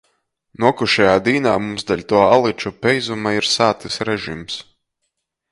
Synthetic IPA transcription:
nuɔkuʃɛjaːd̪iːnaːmumsd̪alʲt̪uɔalˠit͡ʃupʲɛjzumaiɾsaːt̪ɨsɾɛʒims

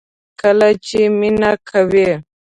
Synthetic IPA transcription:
kəlat͡ʃeminakʰawe

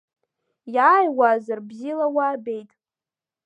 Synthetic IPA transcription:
jaːjwazarbzilawaːbe̞jtʼ

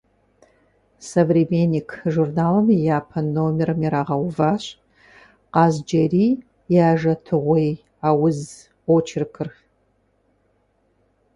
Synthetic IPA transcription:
sɐvremenʲikʰʒurnaːlɐmijaːpʰɐnoːmɛrɨmiɾaːʁɐwvaːɕʼ | qɑːzd͡ʒɐriː | jaːʒɐtʰɨʁʷej | aːwʊz | ot͡ʃʰɪrkʰɨr

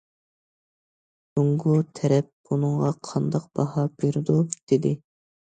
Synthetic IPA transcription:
soŋɡut̪ʰɛɾɛp̚unɨŋʁɑqʰɑnd̪ɑq̚b̥ɑhɑbiɾd̪ud̪̥ɪd̪ɪ

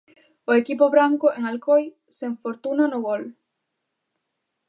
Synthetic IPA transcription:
oekipoβɾaŋkoʔeŋalkoj | seɱfoɾt̪unanoɣol

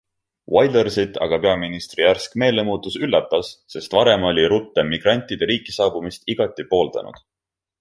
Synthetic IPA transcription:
wɑjd̪ersit̪ːˑɑ̰ɡ̥ɑpe̞ɑminist̪rijærskme̞ːle̞muːt̪ːˑusylːɑt̪ːˑɑsse̞st̪vɑɾe̞mo̞lʲiɾut̪ːe̞mːiɡ̥rɑnʲt̪ʲːˑid̪̥e̞ɾiːkːisɑːbumist̪iɡ̥ɑt̪ːˑipo̞ːld̪ɑ̰nṵd̪̥

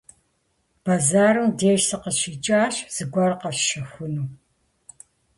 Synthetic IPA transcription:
b̥azaːɾɨmdeːʃsɐqəʃit͡ʃʼaːɕz̥ɨɡʷɐrqɐfʃɐxʷʊnuː

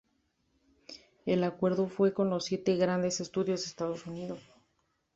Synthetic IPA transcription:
elakwe̞ɾðo̞fwe̞ko̞nlo̞sːje̞t̪eɣɾand̪e̞se̞st̪uðjo̞zdest̪að̞o̞suniðo̞s

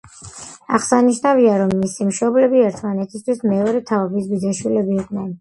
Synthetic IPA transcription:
a̰χsaniʃnaviaɾɔmːisimʃɔblɛbiɛɾt̪ʰmanɛt̪ʰist̪ʰwismɛɔɾɛt̪ʰaɔbisbid̪ɛʃwilɛbiːqʼnɛn

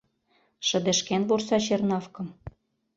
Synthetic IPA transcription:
ʃə̆b̪ĕʃkenβorsɑɕernɑfkɤ̆m

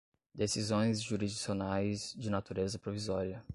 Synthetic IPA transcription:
d̪esizõj̃zʒuɾizd͡ʒisionajzd͡ʒɪnat̪uɾezɐpɾovizɔɾiɐ

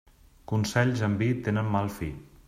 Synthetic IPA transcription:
kunsɛʎzəmbit̪enəmːalˠfi

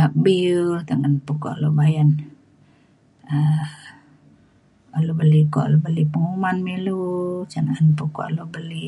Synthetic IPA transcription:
abit̪aŋanpukɔ̰ʔlobajan | ə | alubəlikɔ̰ʔlubəlipəŋumanmilut͡ʃanaanpukɔ̰ʔlobəli

